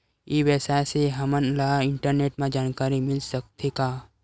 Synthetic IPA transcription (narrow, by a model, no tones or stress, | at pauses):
iːʋɛːsaseɦɐmənlaɪɳʈəɾneːʈmãd͡ʒaːnkaːɾimɪlsək̚t̪ʰekaː